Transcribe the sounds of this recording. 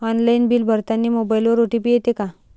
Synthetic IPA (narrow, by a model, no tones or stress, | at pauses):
ɔnlainbiːlbʱəɾt̪anːiːmobajilʋoɾoʈipijet̪eka